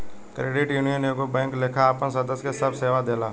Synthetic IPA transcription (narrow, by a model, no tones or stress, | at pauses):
kɾeːɖɪʈjuːnijənekobɛ̃ːŋklekʰaaːpənsəd̪əskesəbseːʋad̪eːlaː